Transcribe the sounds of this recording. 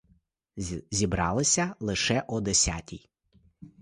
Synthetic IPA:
zʲibɾɑlˠɪsʲɐlˠɪʃɛʔɔd̪esʲa̰tʲij

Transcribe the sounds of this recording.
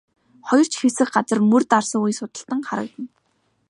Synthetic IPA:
χɔjɞ̆r̥t͡ɕxesɘ̆xɢat͡sə̆rmɵrt̪arsə̆ŋujsʊt̪ə̆ɬt̪ə̆ŋχaɾə̰̆k̚t̪ə̆n

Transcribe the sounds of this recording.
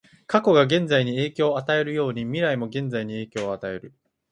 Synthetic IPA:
kako̞ɡaɡẽ̞nd͡zaiɲ̟ie̞ːkʲo̞ːat̪ae̞ɾɯ̟jo̞ːɲ̟imʲiɾaimo̞ɡẽ̞nd͡zaiɲ̟ie̞ːkʲo̞ːat̪ae̞ɾɯ̟

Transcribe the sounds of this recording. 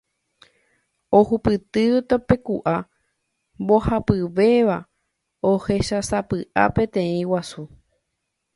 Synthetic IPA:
ohupɨt̪ɨt̪ope̞kuʔa | mbo̞hapɨʋe̞ʋa | ohe̞ʃasapɨʔa̰pẽ̞t̪ẽ̞ĩwasu

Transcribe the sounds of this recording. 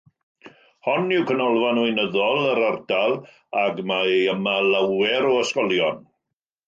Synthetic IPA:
hɔnɪwkʰənɔlˠvanwɨnəðɔlˠəɾardalˠ | aɡmaəmalawɛɾɔəskɔlˠjɔn

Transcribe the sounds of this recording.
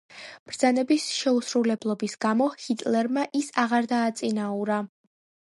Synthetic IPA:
b̥ɾd̪z̥anɛbisʃɛusɾulɛblˠɔbisɡ̥amɔhit̪ʼlɛɾmaʔisaʁaɾd̪aːt̪sʼinauɾa

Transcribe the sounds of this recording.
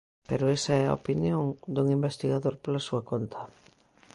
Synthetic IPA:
peɾoesaɛa̰o̰pinjoŋd̪uŋimbest̪iɣaðoɾpolasuakont̪ʰɐ

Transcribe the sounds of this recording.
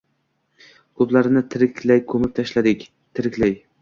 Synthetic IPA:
kʰɵplaɾɪnɪt̪ʰɪɾɪkʲʰlajkʰɵmɪp̚ʲt̪ʰaʃlad̪ɪkʲ | t̪ʰɪɾɪkʲlaj

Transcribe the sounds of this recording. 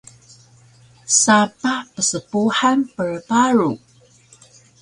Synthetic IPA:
sapapəsəpuħanpəɹbaɾu

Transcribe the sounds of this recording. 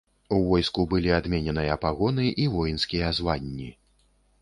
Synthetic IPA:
uvɔjskubɨlʲiad̪mʲɛnʲɛnɨjɐːpaɣɔnɨʔivɔjinskʲijɐːzvanʲːi

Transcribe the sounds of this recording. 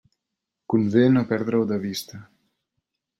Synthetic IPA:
kunvenopɛɾd̪ɾawd̪aβist̪a

